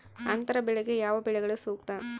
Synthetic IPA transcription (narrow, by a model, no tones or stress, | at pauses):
ɐnt̪ɐɾɐbɪɻɐɣɯjaːʋɐpɪɻɐɪɣɐɭesuːkt̪ãː